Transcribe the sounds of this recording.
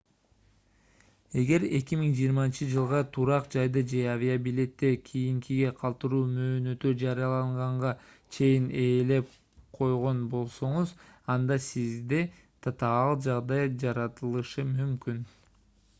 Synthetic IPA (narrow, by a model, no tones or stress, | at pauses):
e̞ɡe̞ɾe̞kʲimiŋd͡ʒijːɾmɑnt͡ʃɯd͡ʒɯlˠʁɑt̪ʰuɾɑqd͡ʒɑjd̪ɯd͡ʒe̞avʲiabilʲe̞t̪ːe̞kʲʰijiŋkʰiɡe̞qʰɑlˠt̪ɯɾuːmø̞ːnø̞t̪yd͡ʒɑɾijɑlˠɑɴʁɑɴʁɑ | t͡ʃʰe̞jine̞ːle̞p̚ | qʰo̞jʁo̞nbo̞lˠso̞ɴuzɑnd̪ɑsizd̪e | t̪ʰɑt̪ɑɑlˠd͡ʒɑʁd̪ɑjd͡ʒɑɾɑt̪ɯlˠɯʃɯmymkyn